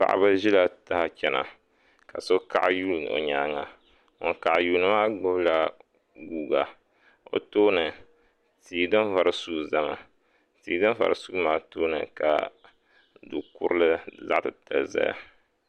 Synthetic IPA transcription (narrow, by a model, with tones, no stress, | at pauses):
pa̰˨ʔa̰˨ba˦ʒi˦la˨ta˦ha˦t͡ʃɛ˨na̰˨ | ka˨so˦ka̰˦ʔa˦juː˦lo̰˨ɲa˦ŋa˨ | o̰˨ŋka˨ʔjuː˨˦nɨ˨˦maː˦ɡ͡bʊ˦bla˦ | ɡuː˦ɡa˨ | o̰˨toː˦nɨ˨ | tiː˨dɨ˦n˦va˨ɾɨ˨su˦ɡza˦ma˨ | tiː˨dɨ˦n˦va̰˨ɾɨ˨su˦maː˦toː˦nɨ˨ka̰˨ | du˨kʊ˦ɾɨ˦lɨ˦za̰˦ʔtɨ˨ta˨lza̰˦ja̰˨